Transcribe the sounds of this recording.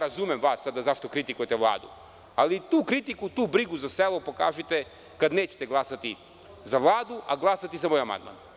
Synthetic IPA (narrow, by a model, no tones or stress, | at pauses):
ɾazumemʋaːsːad̪azaʃt̪o̞kɾit̪ikujt̪ɛʋlˠa̰ːd̪ṵ | alit̪uːkɾit̪ikut̪uːbɾiɡuzaselˠopo̞ka̰ːʒit̪e | kad̪neːt͡ɕe̥t̪e̞ɡlˠasat̪i | zaʋlˠaːd̪uʔa̰ɡlˠaːsat̪izamojama̰nd̪ma̰n